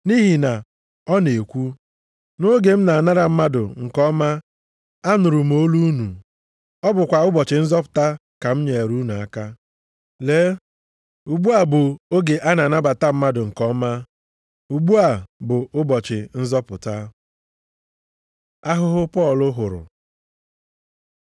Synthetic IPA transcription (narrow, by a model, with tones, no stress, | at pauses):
ni˦ɦi˨na˨ | ɔ˦ne˨kʷu˦ | no˦ɡe˨m̩˦na˨na˦ɾa˨m̩˦ma˦dʊ̰˨ŋ̩˨kɔ˦ma˦ | a˦nʊ˨ɾʊ˨m̩˦o˦lu˦u˦nu˨ | ɔ˦bʊ˨kʷa˨ʊ˦bɔ˨t͡ʃɪ˨n̩˦zɔ˦pʊ̥˨ta˦ | ka˨m̩˦ɲe˨ɾu˦nu˨a˦ka˦ | le˦ | u˨ɡ͡bu˦a˨bʊ˨o˦ɡe˨ʔa˦na˨na˦ba˨ta˦m̩˦ma˦dʊ˨ŋ̩˨kɔ˦ma˦ | u˨ɡ͡bu˦a˨bʊ˨ʊ˦bɔ˨t͡ʃɪ˨n̩˦zɔ˦pʊ˨ta˦ | a˦ɦʊ˦ɦʊ˦pɔ˦˨lʊ˦ɦʊ˨ɾʊ̰˨